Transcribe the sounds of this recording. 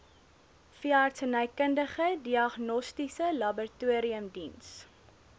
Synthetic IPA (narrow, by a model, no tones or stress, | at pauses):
fiɑrtsənəjkəndəχədiɐχnɔstisəlɐbərtuəɾiəmdins